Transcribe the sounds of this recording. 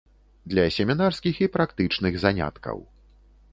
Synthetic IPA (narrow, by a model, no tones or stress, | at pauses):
d̪lʲɐsʲɛmʲinarskʲixipɾakt̪ɨt͡ʂnɨɣzanʲa̰t̪kɐ̰w